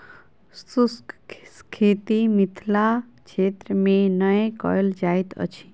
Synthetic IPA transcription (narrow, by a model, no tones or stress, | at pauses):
suskskʰet̪imit̪ʰla | t͡ʃʰet̪ɾəmẽnəjẽkɔ̰ld͡ʒaːit̪ʰə̰t͡ʃʰi̥